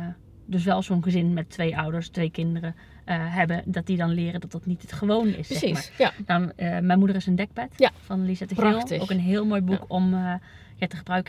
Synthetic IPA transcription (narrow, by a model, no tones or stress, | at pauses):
døs̬ʋɛlˠsonχəzɪnmɛtʰːʋejʔɔwdəɹstʋejkɪndərə | ɦɛbədɔt̚didɔnlɪːrədɔt̚dɔtnitətχəʋownɪ̰sɛanamɛjmudərɪsəndɛk̚pɛtfɔnlisɛtəɪlˠokənɦɪːlˠmoːjbukʰɔm | jatəχəbrœɥk